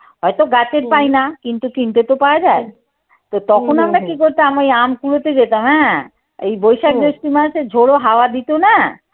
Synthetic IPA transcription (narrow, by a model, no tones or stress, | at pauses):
ɦɔet̪oɡat͡ɕeɾpajnakint̪ukint̪et̪opaoad͡ʑae | t̪ot̪ɔkʰonamɾakikoɾt̪aamaejamkuɽot̪ed͡ʑet̪amɦɛ̃ | ḛjbojʃakd̪ɾiʃʈimaʃed͡ʑʱoɽoɦaoad̪it̪ona